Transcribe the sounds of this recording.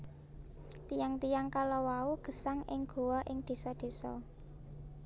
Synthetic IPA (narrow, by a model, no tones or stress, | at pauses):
t̪ijaŋt̪ijaŋkalɔwauɡ̥ə̤saŋɪ̰ŋɡ̥o̤wɔʔɪŋd̪̥e̤sɔd̪̥e̤sɔ̰